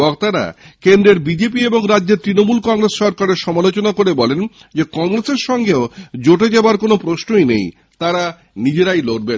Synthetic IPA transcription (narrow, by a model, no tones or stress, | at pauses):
ɔkt̪aɾa̰kend̪ɾeɾbid͡ʑep̬ieboŋɾadːʑeɾt̪ɾinomulkɔŋɾesʃɔɾkaɾeɾʃɔmalot͡ɕonakoɾebɔlen | d͡ʑekɔŋɾeseɾʃɔŋɡeod͡ʑoʈed͡ʑeoaɾkonopɾosnojnḛj | t̪aɾa | nid͡ʑeɾajloʈ̚ben